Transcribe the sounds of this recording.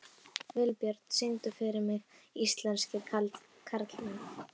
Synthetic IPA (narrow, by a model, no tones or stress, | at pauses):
vɪlpjœɾt̪sent̪ʏfɪɾɪɾmɪɣist̪lɛnscɪ | kʰaɾt̪lman